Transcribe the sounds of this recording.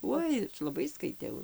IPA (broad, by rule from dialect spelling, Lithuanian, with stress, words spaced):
ˈuɔj lˠɐˈbɐɪ skɐɪtʲˈɛʊ